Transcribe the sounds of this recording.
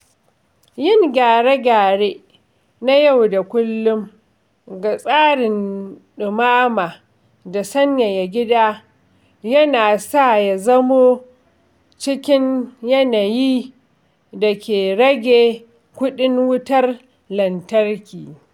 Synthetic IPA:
jɪ˦˨ŋɡʲaː˨ɽe˦ɡʲaː˨ɽe˦ | na˦ja˦˨wda˨kʷʊ˦lːʊ˦m | ɡa˨sʼaː˦ɽɪ˨nɗɪ˨maː˦maː˨ | da˨sɐ˦ɲja˨ja˨ɡʲɪ˦daː˦ | jɐ˦naː˨sa˦˨ja˨zɐ˦moː˦ | t͡ʃɪ˦kʲɪ˦ɲjɐ˦na˨jiː˦ | dɐ˨kʲeː˨ɽɐ˦ɡʲeː˨ | kʷʊ˦ɗɪ˦ŋwʊ˦tɐ˦r | lɐ˨ntɐ˦rkʲiː˨

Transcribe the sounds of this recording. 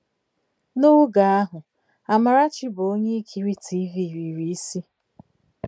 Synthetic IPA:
nʊ˦ɡa˨a˦ɦʊ˨ | a˨ma˨ɾa˦t͡ʃɪ˦bo˦ɲe˦i˦kʰi˦ɾi˦tʰi˦vi˦˨ɾi˨ɾi˨i˦si˦

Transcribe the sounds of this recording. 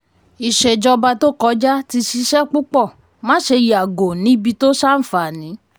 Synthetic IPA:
i˨ʃe˨d͡ʒɔ˧ba˧to˦kɔ˨˦d͡ʒa˦ti˧ʃi˧˦ʃɛ˦k͡pu˦k͡pɔ˦˨ | mã˦ʃe˧ji˨a˨ɡo˨nĩ˨˦bi˧to˦ʃa˦n̩˦fa˨nĩ˨˦

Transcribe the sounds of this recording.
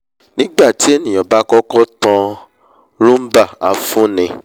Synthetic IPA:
nnĩ˦ɡ͡ba˦˨ti˨˦e˦˨nĩ˨ɔ˨ba˨˦kɔ˦kɔ˦tã˧ | ɾũ˦m̩˦ba˦˨a˨fũ˦nĩ˧

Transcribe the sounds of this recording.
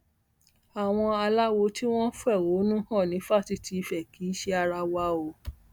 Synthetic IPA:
a˨w̃ɔ̃˧a˧la˦wo˧˦ti˦w̃ɔ̃˦fu˦ɛ˦˨wo˨˦nũ˦hɔ̃˦˨nĩ˨˦fa˦˨ti˨˧˨tʰi˧i˧fɛ˨kʰi˨˦ʃe˧a˧ɾa˧wa˧o˨

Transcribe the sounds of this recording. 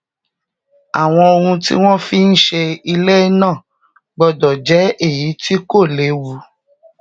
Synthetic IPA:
a˨w̃ɔ̃˧o˧ɾũ˧tḭ˦w̃ɔ̃˦fi˦n̩˦ʃe˧i˧le˦nã˦˨ | ɡ͡bɔ˧dɔ˨d͡ʒɛ˨˦e˦˨ji˨˦ti˦ko˦˨le˨˦wu˨˦

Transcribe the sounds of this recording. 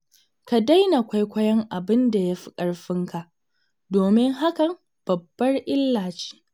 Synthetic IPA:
ka˨da˦jna˨kʷa˦jkʷɐ˦jɐ˦ŋʔa˨bɪ˦nda˨ja˦ɸi̥˦kʼɐ˨ɽɸɪ˦ŋka˨ʔ | doː˨mɪ˦ŋɦa˦kɐ˨m | b̥ɐ˨bːɐ˦rʔɪ˦lːaː˨t͡ʃi̥ː˦

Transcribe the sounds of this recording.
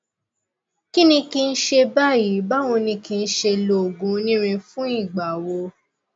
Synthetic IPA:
ki˦nĩ˧ki˧n̩˦ʃe˧ba˦˨ji˨˦ba˦w̃ɔ̃˧nĩ˧kĩ˧n̩˦ʃe˧lo˨ɡũ˨˦nĩ˦ɾ̃ĩ˧fũ˦i˦˨ɡ͡ba˨wo˧˦

